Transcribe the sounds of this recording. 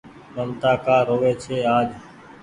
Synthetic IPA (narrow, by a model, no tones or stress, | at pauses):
məmt̪aːkaːɾoːʋeːt͡ʃʰeːaːd͡ʒ